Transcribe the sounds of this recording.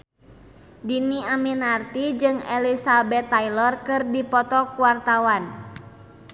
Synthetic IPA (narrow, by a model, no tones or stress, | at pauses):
diniaminart̪id͡ʒɨŋelisabɛt̪ːailɔrkɨrdipɔt̪ɔkuwart̪awan